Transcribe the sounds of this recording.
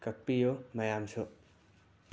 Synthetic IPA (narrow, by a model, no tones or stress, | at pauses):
kɐkpːijomɐjaːmsʰo